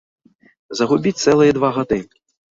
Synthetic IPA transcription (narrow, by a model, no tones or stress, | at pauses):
zɐɣubʲit͡sʲt̪sɛlˠɨjɐd̪vaɣad̪ɨ